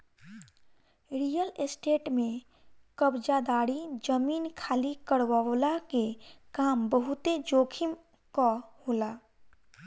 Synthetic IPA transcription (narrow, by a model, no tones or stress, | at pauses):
ɾijəlsʈeːʈmẽ | kəbd͡ʒad̪aːɽid͡ʒəmiːnkʰaːlikəɽwawlakekaːmbəɦʊt̪ed͡ʒoːkʰim | kahoːlaː